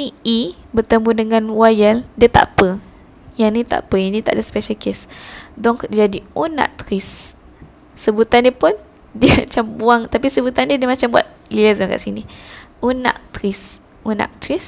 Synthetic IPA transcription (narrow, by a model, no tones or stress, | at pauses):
nii | bərt̪əmbudəŋãnwajəldiət̪a̰ʔpə | janit̪a̰ʔpəinit̪a̰ʔdaspɛʃəlkesdɔŋkd͡ʒadiona̰ʔ̚t̪ɾisː | əbut̪andiəpʊn | diəmat͡ʃambuaŋt̪apisəbut̪andiədiəmat͡ʃambua̰t̪̚ | lilazɔŋka̰ʔsiniʔonã̰ʔt̪ɾis | ona̰ʔ̚t̪ɾis